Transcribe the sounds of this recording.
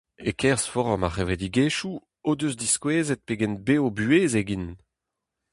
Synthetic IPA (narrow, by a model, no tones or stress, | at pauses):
ekʰɛʁsfɔʁɔmaχeved̪iɡeːʃu | od̪øzd̪iskweːzɛt̪̚peɡɛnbeːobyeːzeɡin